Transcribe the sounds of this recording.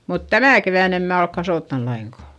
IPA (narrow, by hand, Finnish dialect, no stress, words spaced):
mut tæmæˑ keʋæˑn em mæː olk kɑsoˑtːɑn lɑiŋkɑˑ